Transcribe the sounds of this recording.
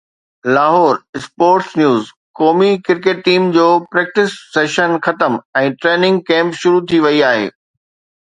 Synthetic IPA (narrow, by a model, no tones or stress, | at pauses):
laːɦɔːɾɪspoːɾʈsnjuːz | kɔːmikɪɾkeːʈ̚ːiːmd͡ʑoːpɾɛːk̚ʈɪsːeːʃənxɐt̪əmɛ̃ːʈɾeːnɪ̃ŋɡ̚kɛ̃ːmpʃʊɾut̪ʰiʋɐiaːɦḛː